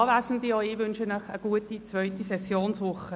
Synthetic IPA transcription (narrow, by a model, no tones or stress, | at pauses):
ɑːʋæːsən̩dioɪʋʏnʃənœχəɡ̥uətit͡svœʏtisɛsjoːnsʋʊχə